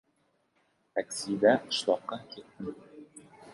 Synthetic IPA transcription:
t̪æksʲid̪æɤ̆ʃlˠɑqːɑkʲit̪ːɘm

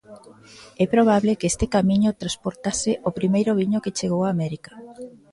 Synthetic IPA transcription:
ɛpɾoβ̞aβlekest̪ɪkamĩɲʊt̪ɾaspoɾt̪asɪʔopɾimejɾʊβiɲʊket͡ʃeɣ̞owaːmɛɾikḁ

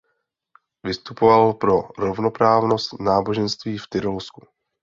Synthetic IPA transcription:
vɪst̪upovalpɾo̞ɾovno̞pɾaːvno̞st̪naːbo̞ʒɛnst̪viːft̪ɪɾolsku

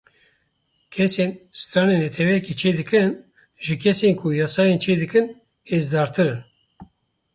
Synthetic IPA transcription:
kʰɛsensɨ̥t̪ɾɑːnenɛt̪ʰɛwɛjɛkit͡ʃʰeːd̪ɨkɨn | ʒɨkʰɛseːnkʰʊjɑːsɑːjent͡ʃʰeːd̪ɨkɨn | hezd̪ɑːɾt̪ɨɾɨn

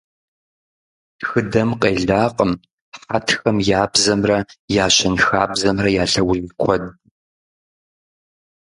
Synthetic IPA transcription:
xɨdɐmqʼeːɮaːqʼəm | χatʰxɐmjaːbzɐmrɐjaːɕɐnxaːbzɐmrɐjaːɬɐwziːkʷʰɔd̚

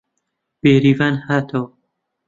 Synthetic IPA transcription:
b̥eːɾiːvaːnhaːt̪ʰɐwɐ

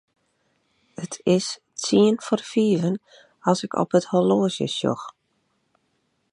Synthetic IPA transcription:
ətʰɪs | t͡siənfɔrfiːvən | ɑsɪkʰɔ̰pətholoːzjə̰sjo̰x

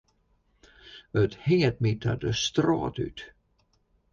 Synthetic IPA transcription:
ət̪heːlt̪̚mɪt̪ʰa̰d̪əst̪ɾɑ̰ːt̪ʉ̰ːt̪

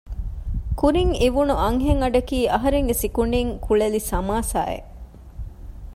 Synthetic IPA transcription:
kuɾiŋiʋunuɐŋɦeŋɐɖɐkiːʔɐɦɐɾeŋɡesikuɳɖiŋkuɭelisɐmaːsa̰ːḛ

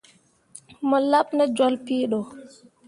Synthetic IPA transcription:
mɔlapnɛd͡ʒɔlpiːɗɔ

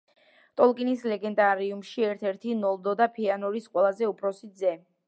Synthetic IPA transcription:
t̪ʼɔlˠkʼinislɛɡɛnd̪aɾiumʃiɛɾt̪ʰɛɾt̪ʰinɔlˠd̪ɔd̪apʰianɔɾisqʼwɛlˠazɛupʰɾɔsizɛ

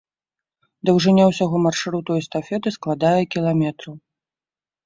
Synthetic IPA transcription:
d̪ɐwʐɨnʲawsʲaɣɔmarʂɨɾut̪ɔjɛst̪afʲɛd̪ɨsklˠad̪ajɛkʲilˠamʲɛt̪ɾɐw

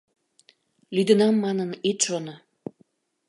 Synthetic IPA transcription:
lyd̪ənɑmːɑnənit̪ʃono

